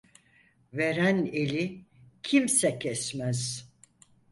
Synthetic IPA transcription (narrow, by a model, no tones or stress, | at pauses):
ve̞ɾænelʲicʰimsɛcʰɛsmæz̥